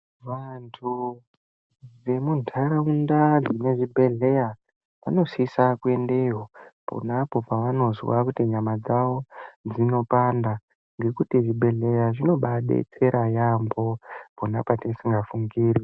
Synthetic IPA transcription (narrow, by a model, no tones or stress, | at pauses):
ʋantʰu | ʋe̞muntʰaɾaundad͡zine̞ʐibʱe̞ɮe̞ja | ʋa̰no̞sisakue̞nde̞ɦopo̰napo̞paʋano̞zwa̰kutiɲamad͡zaʋo̞d͡zino̞panda | ŋɡe̞kutiʐibe̞ɮe̞jaʐino̞ɓaɗḛt͡se̞ɾʔajambo̞po̞napatesiŋɡafuŋɡiːri